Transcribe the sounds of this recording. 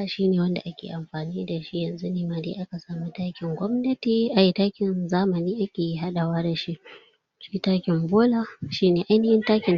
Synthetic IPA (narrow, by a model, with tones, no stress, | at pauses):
a˨ʃiː˦neː˨wɐ˦nda̰˨ʔa˦kʲḛː˨ʔa˨mɸaː˨niː˦da˨ʃi˦jɐ˨nzu˦neː˦maː˨dḛ˦ʔa˦ka˨saː˨mu˦taː˦kʲɪ˨ŋɡʷɔ˦mnɐ˦tiː˨ʔa˨ji˦taː˦kʲɪ˨nzaː˦mɐ˨niː˦ʔa˦kʲeː˨ji˦ɦa˦ɗa˨waː˦da˨ʃi˦ʔ | t͡ʃɪ˦kʲi˦taː˦kʲɪ˨mboː˦laː˦ʃiː˦neː˨ʔa˦jnɐ˦hɪ˦ntaː˦kʲɪ˨n